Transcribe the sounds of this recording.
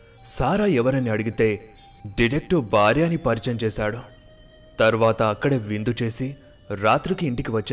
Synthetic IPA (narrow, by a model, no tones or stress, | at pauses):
saːɾaːɛʋɐɾɐniɐɽuɡit̪e̞ː | ɖiɾek̚ʈɐbʱaːɾjaːnipɐɾit͡ʃɐmt͡ʃɛːsaːɽu | t̪ɐɾʋaːt̪ɐːkːɐɽeːʋind̪ut͡ʃe̞ːsi | ɾaːt̪ɾikiːɳʈikiʋɐt͡ʃː